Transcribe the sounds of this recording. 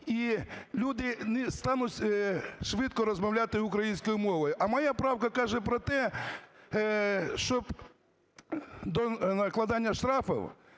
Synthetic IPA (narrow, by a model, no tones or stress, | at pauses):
ilʲud̪ɪnɪst̪ɑnʊt͡sʲʃʋɪt̪kɔɾɔzmɐwlʲat̪ɪʊkɾɐjinʲsʲkɔjʊmɔʋɔjʊʔɐmɐjapɾɑwkɐkɑʒɛpɾɔt̪ɛ | ʃt͡ʃɔb | d̪ɔnɐklˠɐd̪ɑnʲːɐʃt̪ɾɑfɔ̰w